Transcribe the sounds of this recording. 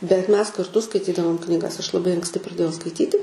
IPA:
bʲɛt ˈmʲɛs kɐrˈtʊ skɐɪˈtʲiːdɐʋoːm knʲiːˈɡɐs ɐʃ lˠɐˈbɐɪ ɐŋksʲˈtʲɪ prɐˈdʲeːjɛʊ skɐɪˈtʲiːtʲɪ

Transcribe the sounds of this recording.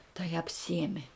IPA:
tɐɪ ɐpʲˈsʲiɛmʲɪ

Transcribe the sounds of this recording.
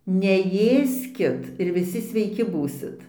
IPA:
nʲɛˈjeːsʲkʲɪt ɪr ʋʲɪˈsʲɪ sʲʋʲɛɪˈkʲɪ ˈbuːsʲɪt

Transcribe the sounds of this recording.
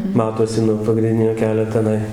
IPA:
ˈmɑːtoːsʲɪ nuɔ pɐɡrʲɪnʲˈdʲɪnʲoː ˈkʲæːlʲoː tʲɛˈnɐɪ

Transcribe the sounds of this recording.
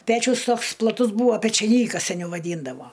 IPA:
ˈpʲæːt͡ʃʲʊs ˈtoːks plˠɐˈtʊs ˈbuːʋoː pʲɛt͡ʃʲɛˈnʲiːkɐs sʲɛˈnʲɛʊ ʋɐˈdʲiːndɐʋoː

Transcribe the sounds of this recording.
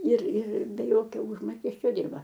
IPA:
ɪr ɪr bʲɛ ˈjoːkʲoː ˈʊʒmoːkʲɛsʲt͡ʃʲoː ˈdʲɪrbɐ

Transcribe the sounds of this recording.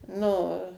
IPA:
ˈnʊ

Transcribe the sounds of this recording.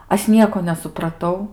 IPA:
ˈɐʃ ˈnʲiɛkoː nʲɛsʊprɐˈtɐʊ

